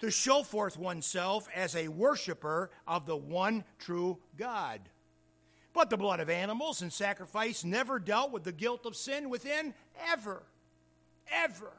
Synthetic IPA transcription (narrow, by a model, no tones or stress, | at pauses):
tʰɨʃoʊfɔɹθwʌ̃nsɛlˠfɨzɨwɜ˞ʃɨpə˞ʔʌvðəwʌ̃ntʰɹ̥uɡɑd̚ | b̥ʌt̪̚ðəblʌɾʌvænəml̩ˠzɨ̃nsækɹɨfaɪsnɛvə˞dɛlˠt̚wəðɨɡɪlˠtʌv̥sɪ̃nwɨθɪ̃n | ɛvə˞ | ɛvə˞